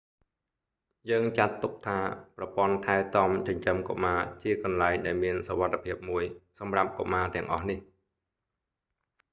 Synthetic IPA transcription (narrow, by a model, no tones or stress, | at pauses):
jəːŋt͡ɕat̪ːuk̚t̪ʰaːprɑpŏənt̪ʰaɛt̪ɔmt͡ɕɑɲt͡ɕəmko̰maːt͡ɕiəkɑnlaɛŋɗaɛlmiənsoʋat̪ʰːepʰiəp̚muəjsɑmrap̚ko̰maːt̪ɛ̆əŋʔɑhnih